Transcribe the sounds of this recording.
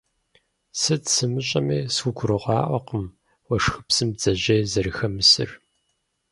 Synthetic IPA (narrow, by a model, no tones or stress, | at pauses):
sɨtsɨmɨɕʼɐmeːswʷʊɡʷʰʊɾɨʁʷɑːʔʷɐqəm | wɐʂxɨpsɨmd͡zɐʑejzɐɾɨxɐmɨsɨ̰r